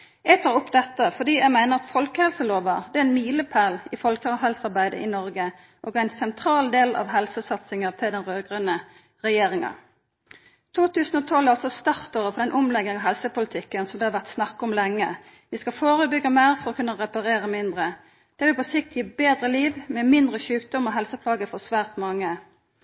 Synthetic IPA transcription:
jæɡt̪ʰɑːʁʊpːd̪ɛt̪ːəfɔd̪iːjæɪmæɪnəʁɑt̪fɔlkəhɛlsəloːʋəd̪ɛɛɪnmiːləpʰæʁlɪfɔlkɑɦɛlsɑʁbæɪd̪ə̰ʔɪnɔʁɡə | ʔɔɡæɪnsɛnt̪ʰɾɑːld̪eːlɑ̰ʋɦɛlsəsɑt̪sɪŋəʁt̪ʰɪld̪ɛnʁøːɡʁənə | ʁɛjeːɾɪŋə̰ | t̪ʰuːt̪ʉːsn̩ɔt̪ʰɔlːæɑlsɔst̪ɑʁt̪oʁəfɔʁd̪ɛnʔʊmlɛɡɪŋɑɦɛlsəpʊlɪt̪ʰɪkːənsɔmd̪ɛːhɑɾʋæʁt̪snɑkːɔmlɛŋːə | ʋɪskɑfoːʁəbʏɡəmeːʁfɔɾɔkʰʉnːəʁɛpɑʁeːɾəmɪnd̪ʁə | d̪̥ɛʋɪlpɔsɪk̚t̪jiːbeːd̪ʁəliːʋmɛmɪnd̪ʁəçʉːk̚d̪ɔmɔɦɛlsəpʰlɑːɡəfɔʁsʋæːʁt̪mɑŋːə

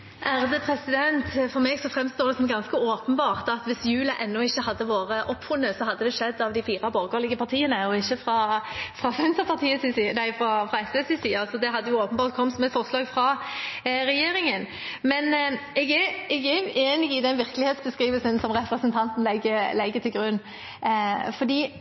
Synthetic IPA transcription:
ʔæʁd̪əpʰʁɛsɪd̪ɛnt̪fɔʁmɛɡsɔfʁɛmst̪oːʁd̪ɛsɔmɡɑnskəoːpənbɑːʁt̪ɑt̪ʋɪsjʉːlɑʔɛnːɔɪçːəhɑd̪ːəʋoːʁəʔɔpːfʊnːəsɔɦɑd̪ːəd̪ɛʂɛd̪ːɑʋd̪ɪfiːʁɑboːʁɡoːlɪɡəpʰɑʁt̪ʰiːənəɔɪçːəfʁɑfʁɑfɛnsəpʰɑʁt̪ʰiːəsnæɪfʁɑfʁɑɛsɛsɪsiːɑɑsɔd̪ɛɦɑd̪ːəjʊoːpənbɑːʁt̪̚kʰɔmsɔmɛfɔʁslɑːɡfʁɑ | ɾɛjeːɾɪŋən | mɛnɛɡɛɛɡɛʔeːnɪɡɪd̪ɛnʋɪɾkəlɪheːt̪sbəskʁiːʋəlsənsɔmʁɛpɾəsənt̪ʰɑnt̪n̩lɛɡəlɛɡət̪ʰɪlɡɾʉnː | fɔd̪iː

